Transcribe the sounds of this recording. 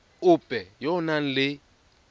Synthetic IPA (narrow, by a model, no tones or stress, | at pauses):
ʊb̥ʱʼɛjɔnan̩lɪ